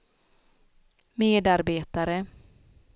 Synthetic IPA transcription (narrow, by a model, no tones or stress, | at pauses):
meːd̪aɾbeːt̪aɾə